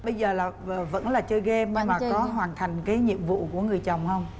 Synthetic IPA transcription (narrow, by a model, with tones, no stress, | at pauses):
ɓə˧jzəː˨˩laː˨˩˨və̰˧˥nlaː˨˩t͡ɕɨː˧ɣɛ˧mnɛ˧maː˨˩kɔ˨˦ɦwaː˨˩nt̪ʰa˨˩jŋ̟kaː˨˦jɲḭ˧˨əmvṵ˧˨ku˧˩əŋɨ˨˩əjt͡ɕə˨˩wŋ͡mhə˧wŋ͡m